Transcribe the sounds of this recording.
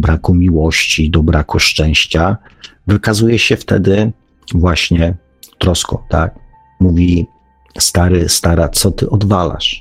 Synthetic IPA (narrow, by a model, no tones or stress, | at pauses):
bɾakumʲiwɔɕt͡ɕid̪ɔbɾakuʂt͡ʂɛ̃w̃ɕt͡ɕavɘkazujɛɕɛft̪ɛ̰d̪ɘ | vwaɕɲɛ | t̪ɾɔskɔ̰̃w̃t̪ak̚ | muvʲi | st̪aɾɘst̪aɾat̪sɔt̪ɘʔɔd̪vala̰ʂ